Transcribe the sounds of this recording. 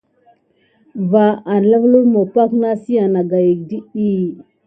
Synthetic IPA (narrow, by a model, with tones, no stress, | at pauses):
va˨ʔa˨n˨la˦vlu˦ɾmo˨pa˦kna˦si˦a˨na˨ɡa˨ji˨k̚di˦i˦